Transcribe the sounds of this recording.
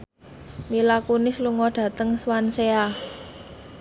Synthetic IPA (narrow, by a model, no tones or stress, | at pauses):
milakunɪsluŋɔɖ̥ä̤t̪əŋswansea